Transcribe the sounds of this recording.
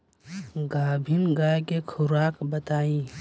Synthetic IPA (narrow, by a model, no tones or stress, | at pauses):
ɡaːbʱinɡaːekekʰʊɾaːkbət̪aːĩː